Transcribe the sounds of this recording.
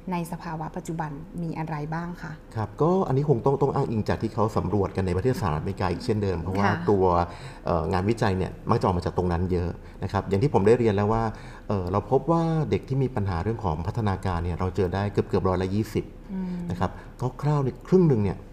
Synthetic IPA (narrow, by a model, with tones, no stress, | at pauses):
na˧jsa˧pʰaː˧wa˦˥pa˨˩t̪t͡ɕu˨˩ba˧nmiː˧ʔa˧ɾa˧jbaː˥˩ŋkʰa˥˩ʔkʰa˦˥p̚kɔː˥˩ʔa̰˧nːi˦˥kʰo˧ŋt̪ɔ˥˩ŋt̪ɔ˥˩ŋʔaː˥˩ŋʔi˧ŋt͡ɕaː˨˩t̪ʰiː˥˩kʰa˦˥wsa˩˦mɾu˨˩ət̪̚ka˧nːa˧jpa˧t̪ʰe˥˩t̪saː˧ɾa˦˥t̪̚ma˧˩kaː˧˩ʔiː˨˩k̚t͡ɕʰe˥˩ndɤː˧mpʰɾɔ˦˥waː˥˩t̪u˧ɐ | ʔɤː˨˩ŋaː˧nwi˦˥t͡ɕa˧jni˥˩ɐma˦˥˩kt͡ɕa˨ʔːma˧t͡ɕaː˨˩k̚t̪o˧ŋna˦˥njɤ˦˥ʔ | na˦˥kʰa˦˥p̚ja˨˩ŋʰiː˥˩pʰo˩˦mdaː˥˩jɾi˧ənlɛː˦˥waː˥˩ | ʔɤː˨˩ɾa˧wpʰo˦˥p̚waː˥˩de˨˩k̚t̪ʰiː˥˩miː˧pa˧nɦaː˩˦ɾɯ˥˩əŋkʰɔː˩˦ŋpʰa˦˥t̪ʰːa˧naː˧kaː˧nːi˥˩ɐɾa˧wt͡ɕɤː˧daː˥˩jkɤ˨˩p̚kɯ˨˩p̚ɾɔː˦˥jla˦˥jiː˥˩si˨˩p̚na˦˥kʰa˦˥p̚ | kɔː˥˩kʰɾaː˥˩wni˥˩kʰɾɯ˥˩ŋnɯ˧ŋni˥˩ɐ